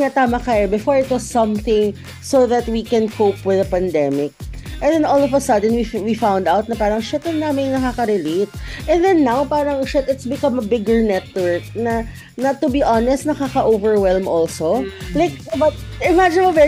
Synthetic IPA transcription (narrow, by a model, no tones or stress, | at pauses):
ŋat̪aːmɐkɐjobɪfoɹɪt̪̚wɐsːʌ̃mθɪ̃ŋ | soðɐt̪̚wikɛnkʰopwɪðɐpɐ̃nd̪ɛmɪk̚ʔɛ̃nd̪ɛnɔlɔvɐsɐd̪ɛ̃nwiwifãw̃nd̪aʊt̪̚nɐpaːɾɐŋʃɛt̪ɛnnːaːmɪŋnɐkaːkɐɾɛleɪt̪̚ʔɛ̃nðɛnːawpaːɾɐŋʃɛt̪ɪt̪sbɪkʌ̃mɐbɪɡəɹnɛt̪̚wɛɹk̚nɐ | nɐt̪ːʊbiʔanɛst̪̚nɐkakɐʔovɛɹwɛlmʔɔlsolaɪk̚bɐt̪ɪmad͡ʒɪ̃nɐvɛ